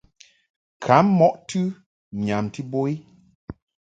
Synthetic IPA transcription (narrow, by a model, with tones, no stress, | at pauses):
kʰa˨˦m˦mɔ˦ʔtʰɨ˦ | ɲa˨mti˦bo˦i˦